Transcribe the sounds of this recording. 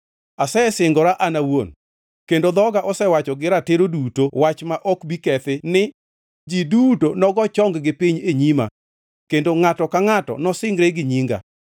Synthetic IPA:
asɛsɪŋɡɔɾaʔanawon | kendod̪ɔɡaʔɔsɛwat͡ʃɔɡɪɾateɾodutowat͡ʃmaʔɔkbikɛt̪ɪnɪ | d͡ʒidutonɔɡɔt͡ʃɔŋɡɡɪpiɲeɲima̰ | kendoŋatɔkaŋatɔ̰nɔsɪŋɡɾɛɡɪɲiŋɡa̰

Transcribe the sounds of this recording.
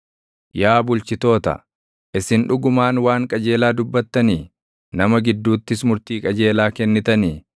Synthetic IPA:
jaːbʊlt͡ʃɪt̪o̞ːt̪ɐ̰ | ʔɪsɪnᶑʊɡʊmaːnwaːŋkʼɐd͡ʒe̞ːlaːd̪ʊbːɐt̪ːɐniː | nɐmɐɡɪd̪ːuːt̪ːɪsmʊɾt̪iːkʼɐd͡ʒe̞ːlaːkɛnːɪt̪ɐniː

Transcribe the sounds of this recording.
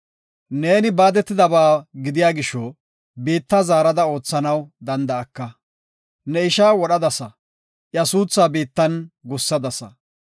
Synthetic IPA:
ne̞ːnɪbaːd̪ɛt̪ːɪd̪ɐbaːɡɪd̪ɪjaːɡɪʃɔ | beːt̪ːazaːɾɐd̪ɐo̞ːt͡sːɐnɐwd̪ɐnd̪ɐːkːɐ | nɛɪʃaːwɔɗɐd̪ɐsɐ | ʔjɐsuːt͡sːaːbeːt̪ːɐnɡʊsːɐd̪ɐsɐ

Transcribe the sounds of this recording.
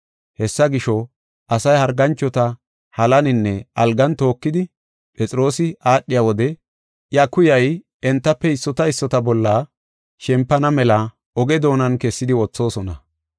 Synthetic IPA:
hɛsːɐɡɪʃɔ | ʔɐsɐjhɐɾɡɐnt͡ʃːɔt̪ɐ | hɐlɐnɪnːɛʔɐlɡɐnt̪o̞ːkːɪd̪ɪ | pʼɛt͡sʼɾo̞ːsɪʔaːɗːɪjawɔd̪ɛ | ʔjɐkʊjɐj | ɛnt̪ːɐpːɛɪsːɔt̪ɐɪsːɔt̪ɐbɔlːa | ʃɛmpːɐnɐmɛlɐ | ɔɡɛd̪o̞ːnɐnkɛsːɪd̪ɪwɔt͡sːo̞ːsɔnɐ

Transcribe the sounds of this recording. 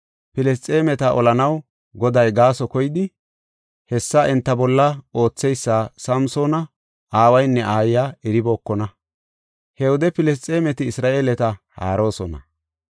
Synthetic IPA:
pɪlɛs̬t͡sʼe̞ːmɛt̪ɐʔɔ̰lɐnɐw | ɡɔd̪ɐjɡaːsɔkɔjɪd̪ɪ | hɛsːɐʔɛnt̪ːɐbɔlːɐo̞ːt͡sːɛjsːaːsɐmsoːnɐ | aːwɐjnːɛʔaːjːaːɛɾɪboːkːɔnɐ | hɛwɔd̪ɛpɪlɛs̬t͡sʼe̞ːmɛt̪ɪːsɾaːʔeːlɛt̪ɐha̰ːɾo̞ːsɔnɐ̰

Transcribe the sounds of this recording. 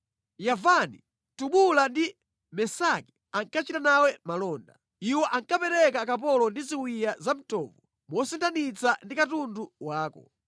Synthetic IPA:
javani | tuɓulandi | mɛsaki̥ | aŋkat͡ʃitanawɛmalɔːnda̰ | iwɔʔaŋkapɛɾɛkakap̬ɔlɔndiziwijazam̩tɔːvɔ | mɔsɛntanit͡sandikatunduwaːkɔ̰

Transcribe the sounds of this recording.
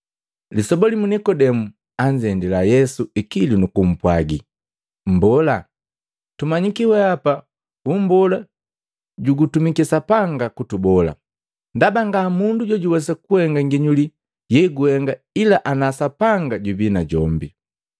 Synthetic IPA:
lisɔbɔlimunikɔdɛmu | aɲd͡ʒɛndilajɛsuikilinukum̩pwaɡi | m̩bɔla | tumaɲikiwɛapa | umbɔla | ɟuɡutumikɛsapaŋɡakutubɔla̰ | ndabaŋɡamunduɟɔɟuwɛs̬akuhɛŋɡaŋɡiɲuli | jɛɡuhɛŋɡa | ilaʔanasapaŋɡaɟubinaɟɔmbi

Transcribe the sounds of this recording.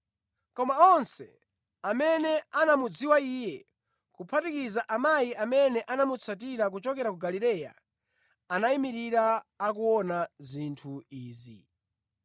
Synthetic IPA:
kɔmaɔnsɛ̰ | amɛnɛanamud͡ziwaiːjɛ | kupʰatikizaʔamajiamɛnɛʔanamut͡sʰat̬iɾak̬ut͡ʃɔkɛɾakuɡaliɾɛja̰ | anaimiɾiɾaːkuwɔnazintʰuiːzḭ

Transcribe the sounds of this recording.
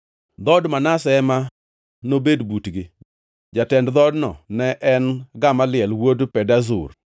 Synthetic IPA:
d̪ɔdmanasɛma | nobedbutɡɪ | d͡ʒatɛndd̪ɔdnɔ̰nɛʔɛnɡamalɪɛlwodpɛdazʊ̰r

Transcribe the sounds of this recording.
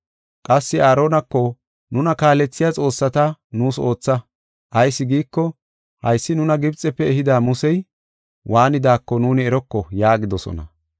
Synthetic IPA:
kʼɐsːɪaːɾo̞ːnɐkːɔ | nʊnɐkaːlɛt͡sːɪjat͡sʼo̞ːsːɐt̪ɐnuːso̞ːt͡sːɐ | ʔɐjsːɪɡiːkːɔ | hɐjsːɪnʊnɐɡɪbt͡sʼɛpːɛɛɦɪd̪aːmʊsɛj | wʔaːnɪd̪aːkːɔnuːnɪɛɾɔkːɔjaːɡɪd̪ɔsɔ̰nɐ̰

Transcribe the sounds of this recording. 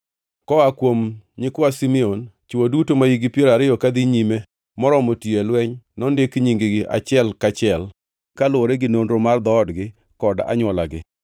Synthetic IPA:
kɔakwomɲɪkwasimiont͡ʃuwodutomajiɡipjeɾaɾɪjɔkad̪iɲime | mɔɾɔmotielwɛɲnɔndɪkɲiŋɡiɡɪʔa̰t͡ʃɪɛlkat͡ʃɪɛl | kalʊoɾeɡɪnonɾomard̪ɔːdɡɪ | kɔda̰ɲwɔlaɡɪ̰

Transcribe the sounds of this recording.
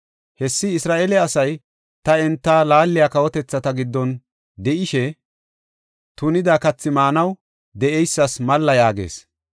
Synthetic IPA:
hɛsːɪːsɾaːʔelɛɐsɐj | t̪ɐɛnt̪ːaːlaːlːɪjaːkɐwɔt̪ɛt͡sːɐt̪ɐɡɪd̪ːɔn | d̪ɛʔɪʃɛ | t̪ʊnɪd̪aːkɐt͡sːɪmaːnɐw | d̪ɛʔɛjsːɐsmɐlːɐjaːɡḛːs

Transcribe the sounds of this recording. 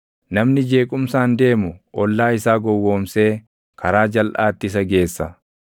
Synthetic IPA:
nɐmnɪd͡ʒe̞ːkʼʊmsaːnd̪e̞ːmʊʔɔlːaːɪsaːɡɔwːo̞ːmse̞ː | kʰɐɾaːd͡ʒɐlʔaːt̪ːɪs̬ɐɡe̞ːsːɐ

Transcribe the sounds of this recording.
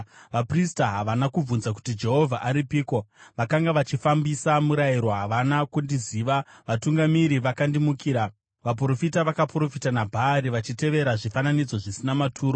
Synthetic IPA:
ʋapristaɦaʋanakub͡vunzak̬u̥tid͡ʒe̞ɦo̞vʱaʔaɾipiːkoʋakaŋɡaʋat͡ʃifambisamuɾajiɾwoɦaʋanakundiziːʋaʋatuŋɡamiɾiʋakandimukiːɾa | ʋap̬ro̞fitaʋakapro̞fitanabʱaːɾiʋat͡ʃite̞ʋe̞ɾaʐifananid͡zo̞ʐisinamatʰuːɾo

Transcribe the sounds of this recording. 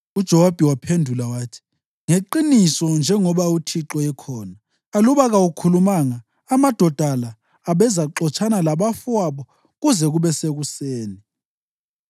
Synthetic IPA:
ud̥ʒ̥ʱɛwab̥ʱɛwapʰendʱulawaːtʰi̥ | ŋeǃinisɔnd͡ʒʱɛŋɔβautʰiǁɔɛkʰɔːnaː | luβaɣaukʰulumaŋaː | mad̥ʱɔd̥ʱalaː | βɛzaǁɔt͡ʃʰʼanalaβafwaβɔ | ɣuzɛɣuβɛseɣuseːni

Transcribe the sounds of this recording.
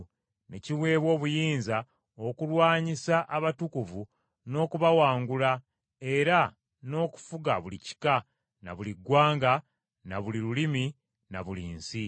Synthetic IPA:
ne̞̰ciwe̞ːβwo̞ːβujiːnza | o̞kulwaːɲisaʔaβatukuvu | no̞ːkuβawaːŋɡula | e̞ɾa | no̞ːku̥fuɡaβulici̥ka | na̰βuliɡwaːŋɡa | naβuliɾulimi | naβuliːnsi

